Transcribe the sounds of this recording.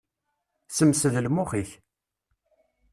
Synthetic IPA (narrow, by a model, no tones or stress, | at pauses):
səmsəðlmʊχiç